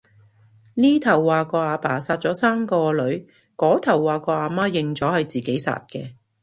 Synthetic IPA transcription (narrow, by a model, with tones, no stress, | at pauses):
niː˥t̪ʰɐ˨˩wːaː˨˧kɔː˧aː˨˧paː˨˩saː˧t̚t͡sɔː˨˧˥saː˥mkɔː˧lɵ˨˥ɥ | kɔː˨˥t̪ʰɐ˨˩wːaː˨˧kɔː˧aː˨˧maː˥jɪ˨ŋt͡sɔː˨˥hɐ˨jt͡siː˨ke˨˥jsa̰ː˧t̚kɛ̰ː˧